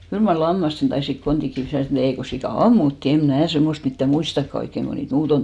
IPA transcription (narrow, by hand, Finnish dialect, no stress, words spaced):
kyl mɑr lɑmːɑsten tɑisik kontik kiːs sit ol ei ko sikɑˑ ɑmːutːiˑ em̆ mnæˑ semːost mitːæ muistɑkːɑ oikːeŋ ɡ̊o niːt muːton